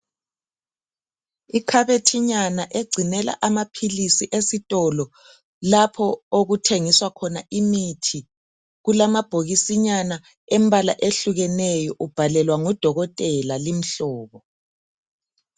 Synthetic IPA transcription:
ikʰaβetʰiɲanaʔeɡ͡ǀʱinɛla̰ʔamapʰilisiʔesitʼɔlɔ | lapʰɔoɣutʰeŋiswakʰɔnaʔimitʰi | ɣulamab̥ʱoɣisiɲana | ɛmbʱala̰ʔeɬuɣɛnɛjɔʔub̥ʱalɛlwaŋɔd̥ʱɔɣɔtʼɛlalim̩ɬɔːβɔ

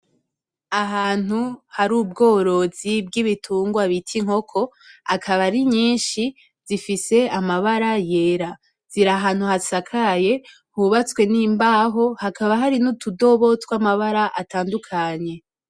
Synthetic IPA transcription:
aɦaːn̥huhaɾuːb̚ɡo̞ːɾo̞zibɡiβitʰuːŋɡwaβitʰiŋ̥ho̞kʰo̞akʰaβaɾiɲiːnʃi | z̥ifise̞amaβaɾaje̞ːɾa | z̥iɾaɦaːn̥huhasakʰaje̞ | huβat͡swe̞niːmbaɦo̞hakaβaɦaɾinutudo̞βo̞twamaβaɾaʔataːndukʰaɲe̞

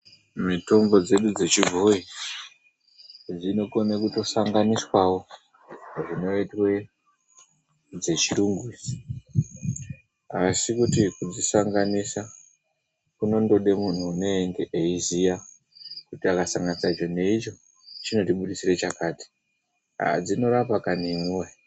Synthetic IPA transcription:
mito̞mbo̞d͡ze̞ɗud͡ze̞t͡ʃivʱoi | d͡zino̞ko̞nekuto̞saŋɡaniswawo̞ | ʐino̞itwe̞ | d͡ze̞t͡ʃiɾuŋɡisi̥ | asikutikud͡zisaŋɡanisa | kuno̞ndo̞ɗe̞mun̤uːne̞eŋɡe̞ʔeizija | kutiakasaŋɡanisait͡ʃo̞ne̞it͡ʃo̞ | t͡ʃino̞tiɓuɗisiret͡ʃakaːti̥ | a̰d͡zino̞ɾapakanimuwe

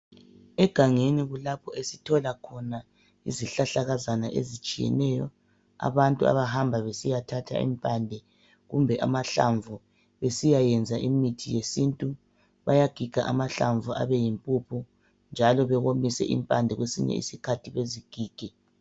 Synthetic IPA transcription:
ɛɡ̥ʱaŋeniɣulapʰɔesitʰɔlakʰɔna | ḭziɬaɬaɣazanaʔḛzit͡ʃʼijɛ̰nɛjɔ | a̰βantʼua̰βaɦambʱaβesijatʰatʰa̰ḭmpʼandʱɛ | ɣumbʱɛʔa̰maɬa̰ɱvu | βesijajɛnd͡zʱaʔimitʰijesintʼu | βajaɡ̥ʱiɡ̥ʱaʔamaɬaɱvuʔa̰βɛjimpʼupʰu | nd͡ʒʱalɔβɛɣomisɛ̰ʔḭmpʼandʱɛɣwesḭɲɛ̰ḭsikʰatʰiβeziɡ̥ʱiːɡ̥ʱɛ

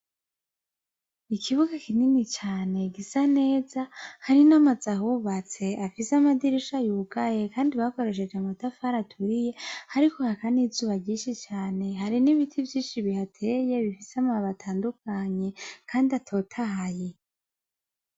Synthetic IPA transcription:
ikʰiβuɡakininit͡ʃaːne̞ɡisane̞ːzahaɾinamazaɦuβat͡se̞ʔafiseamadiɾiʃajuːɡaje̞kaːndiβako̞ɾe̞ʃ̬e̞d͡ʒamatafaɾatʰuɾije̞haɾiko̞hakanizuːβaɟiːʃit͡ʃaːne̞ɦaɾiniβitʰivjiːnʃiβihatʰe̞je̞βifiseamaβatʰaːndukʰaɲe̞kaːndiatʰo̞ːtʰaɦaje̞

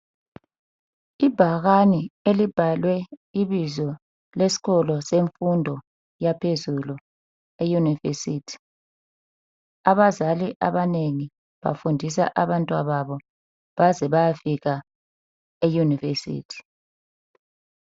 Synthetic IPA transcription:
ibʱaɣanielib̥ʱalwɛiβizɔ | lesi̥ɣɔlɔseɱfundʱɔ | japʰezulu | ejunivesiːtʰi̥ | aβazaliʔaβaneŋi | βa̰fundʱisa̰ʔaβantʼwa̰βaβɔ | βazɛβajafiɣa | ejunivesḭːtʰi̥

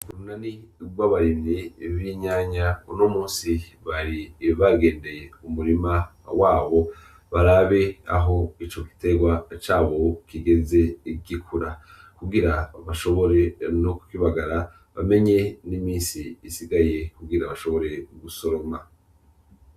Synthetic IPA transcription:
uɾunaniɡwaβaɾiniβiɲaːɲaunomuːnsi | βaɾiβaɡe̞ːnde̞je̞umuɾima | waːβo̞ | βaɾaβe̞a̰ɦo̞it͡ʃo̞ki̥te̞ɡwat͡ʃaːβo̞kiɡe̞ze̞ɡikʰuɾa | kuɡiɾaβaʃo̞βo̞ɾe̞no̞ku̥kiβaɡaɾa | βame̞ɲe̞nimiːnsiːsiɡaje̞kuɡiɾaβaʃo̞βo̞ɾe̞ɡuso̞ɾo̞ma

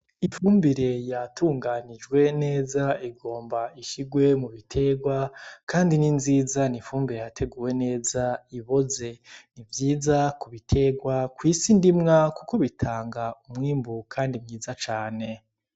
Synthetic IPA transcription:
ifuːmbiɾe̞jatʰuːŋɡanid͡ʒɡwe̞ne̞ːzaiɡo̞ːmbaiʃiɡwe̞muβitʰe̞ːɡwakaːndininziːzaniɱfuːmbiɾe̞jatʰe̞ɡuːwe̞ne̞ːzaiβo̞ze̞nivjiːzakuβitʰe̞ɡwakwiːsindimŋakuko̞βitʰaːŋɡaumŋiːmbukʰaːndimɲiːzat͡ʃaːne̞

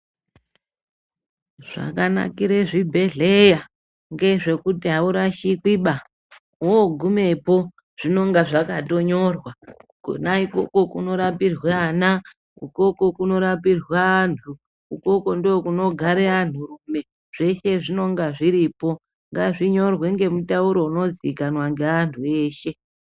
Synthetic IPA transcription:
ʐ̥a̰kana̰kiɾeʐibʱe̞ɮeja | ŋɡe̞ʐe̞kutiɦauɾaʃikwiɓa | oɡʱume̞po̞ | ʐ̥ino̞ŋɡaʐakato̞ɲo̞rwakṵnaiko̞̰ko̞kuno̞ɾapirwana | uko̞ko̞kuno̞ɾapirwantʰu | uko̞ko̞ndookuno̞ɡʱaɾean̤urume̞ | ʐ̥e̞ʃe̞ʐino̞ŋɡaʐiɾipo̞ | ŋɡaʐiɲo̞rwe̞ŋɡe̞mutauɾo̞uno̞d͡zikanwaŋɡeantʰue̞ːʃe̞

